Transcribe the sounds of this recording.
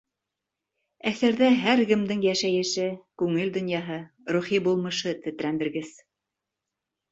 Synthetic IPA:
æθæɾðæɦæɾɡɘ̆md̪ɘŋjæʃæjɘ̆ʃɘkʉŋɘld̪ŏnjɑɦɤ | ɾuχibulˠmɤ̆ʃɤt̪ɘ̆t̪̆ɾæmbɘ̆ɾɡɘz̥

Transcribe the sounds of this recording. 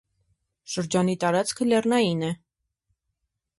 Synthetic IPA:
ʃəɾd͡ʒɑnit̪ɑɾɑt͡skʰəlɛrnɑjinɛ

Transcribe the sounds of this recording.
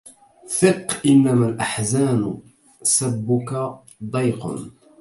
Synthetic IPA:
θɨqːʔɪnːamalʔaħzaːnʊ | sabːʊka | d̪ˤɑjqʊ̰n

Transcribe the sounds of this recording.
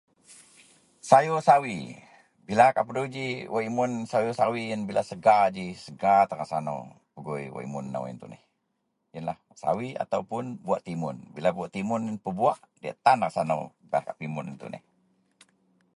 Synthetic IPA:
sajosawi | bilakaʔpədowd͡ʒiwaʔimʊnsajosawijənbilasəɡad͡ʒisəɡat̪əɾasano̰w | pəɡujwa̰ʔḭmʊnːa̰wḭnt̪uʔnɪ̰h | jənlah | sa̰wia̰t̪awpʊnbuaʔt̪imʊ̰nbilabuaʔt̪imʊnpəbuaʔdia̰ʔt̪anrasano̰w | bakaʔpimʊnə̰nt̪ṵʔnɪ̰h

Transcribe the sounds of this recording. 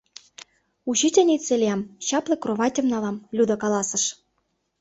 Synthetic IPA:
uɕit̪ʲɤ̆nit͡sːelʲeɑmt͡ɕɑplĕkroβɑtʲɤ̆mnɑlɑmlʲud̪ɤ̆kɑlɑsɤ̆ʃ

